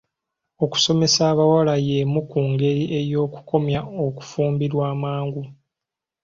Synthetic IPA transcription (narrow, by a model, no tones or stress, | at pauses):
o̞ku̥so̞me̞saːβawalaje̞mukuːŋɡe̞ɾiʔe̞jo̞ːku̥ko̞mjao̞ku̥fuːmbiɾwaːmaːŋɡu